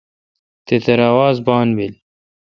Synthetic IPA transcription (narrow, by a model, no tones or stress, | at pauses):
t̪et̪eɾawaːzbɑːnbil